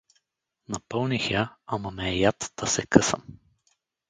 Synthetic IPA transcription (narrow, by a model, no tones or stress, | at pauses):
nɐpɤlˠnixjaamɐmɛːjat̪d̪̥ɐsɛkɤsə̰m